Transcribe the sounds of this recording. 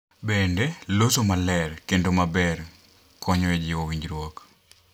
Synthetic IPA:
bendelosomalɛrkendomabɛr | kɔɲɔɛd͡ʒɪowiɲd͡ʒɾwɔk

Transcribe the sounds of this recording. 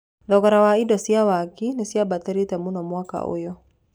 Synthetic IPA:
ðɔɣɔɾawaidɔsiawakinɪsiabat̪ɛɾitɛmunɔmwaka̰o̰jɔ

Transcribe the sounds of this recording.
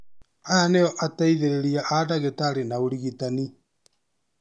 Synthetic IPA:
aaneɔʔataiðeɾeɾiaʔadaɣetaɾenaoɾiɣitani

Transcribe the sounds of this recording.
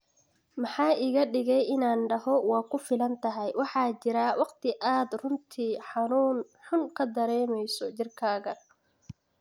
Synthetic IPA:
mɑħɑːʔɪːɣɐɖɪɣɛjɪnaːnɖɐɦɔwɑːkʰʊfɪlɐnt̪ʰɐɦɛjwɑħɑːt͡ʃɪɾɐwɑqt̪ʰɪʔaːd̪rʊnt̪ʰiːħɑnuːn | ħʊnkʰɐd̪ɐɾɛːmɛjsɔt͡ʃɪrkʰaːɣɐ

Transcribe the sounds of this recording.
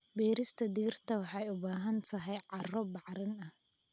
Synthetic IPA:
biːɾɪst̪ʰɐd̪iːrt̪ʰɐwɑħɑjʊbaːɦɐnt̪ʰɐɦɛjʕɑrɔbɑʕɾɪnɐh

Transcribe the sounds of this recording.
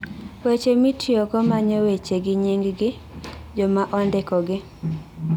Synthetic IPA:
wet͡ʃemitjɔɡɔmaɲɔwet͡ʃeɡɪɲiŋɡɡɪ | d͡ʒɔmaʔɔndɛkɔɡɪ

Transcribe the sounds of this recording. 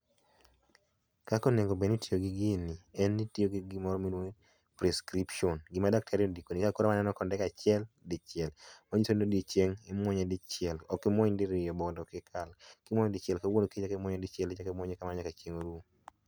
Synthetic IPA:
kakoneɡobenitioɡɪɡɪniɛnːitioɡiɡɪmɔɾɔminwo | pɾɛskɾipʃɔnɡɪmadak̚tʰaɾiodikonikakɔɾamanɛnɔkɔndɛkat͡ʃɪɛldɪt͡ʃɪɛlmoɲisonodit͡ʃeŋɪmwɔɲɛdɪt͡ʃɪɛlɔkɪmɔɲdɪɾɪjɔbɔndɔkɪkʰalkɪmɔɲdɪt͡ʃɛlkawonoket͡ʃakɪmwɔɲadɪt͡ʃɛlet͡ʃakɛmwɔɲekamaɲakat͡ʃeŋoɾu

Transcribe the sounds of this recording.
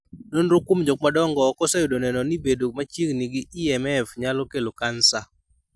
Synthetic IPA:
nonɾokwomd͡ʒok̚madɔŋɡɔkɔsajodonɛnɔnibedomat͡ʃiŋniɡɪiɛmɛfɲalɔkelokansa

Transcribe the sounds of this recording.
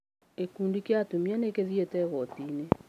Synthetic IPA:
ekuːndikeatumianekeðietɛɣɔtine

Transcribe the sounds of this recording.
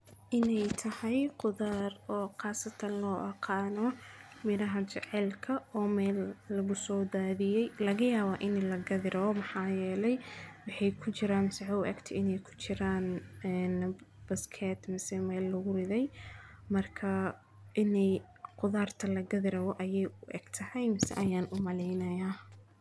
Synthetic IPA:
ʔɪnɛjt̪ʰɐhɛjqʊðaːrɔːqɑːsɐt̪ʰɐnlɔːʔɐqʰɑːnɔmɪɾɐɦɐt͡ʃɛʕɛlkʰɐɔːmɛːlːɐɣʊsɔːd̪aːðɪjɛjlɐɣɐjaːβaːʔɪnlɐɡɐðɪɾɐɔmɐħɑːjɛːlɛjwɑħɑjkʰʊt͡ʃɪɾaːnmɪsɛʕɔʊʔɛ̰ɡt̪ʰɪɪnɛjkʰʊ̥t͡ʃɪɾaːnɛnb̥ɐskʰɛt̪mɪsɛmɛːlːɐɣʊrɪðɛjmɐrkʰɐ | ʔɪnɛj | qʊðaːrt̪ʰɐlɐɡɐðɪɾɐβɔʔɐjɛjʔʊʔɛ̰ɡ̥t̪ʰɐhɛjmɪsɛ̰ʔɐjaːnʔʊmɐlɛjnɐjaː

